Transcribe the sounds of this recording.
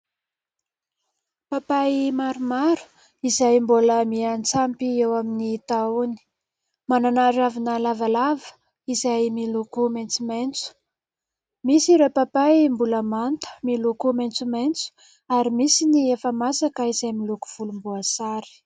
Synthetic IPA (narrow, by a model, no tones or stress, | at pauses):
papaimaɾumaɾu̥ | izajmboləmiant͡sampiewaminit̪auni̥ | mananaɾavinəlavalavə̥ | izajmilukument͡sument͡su̥ | misiɾepapajmbuləmant̪ə̥milukument͡sument͡su̥ | aɾimisiniefəmasakəizajmiluku̥v̥ulumbuasaɾi̥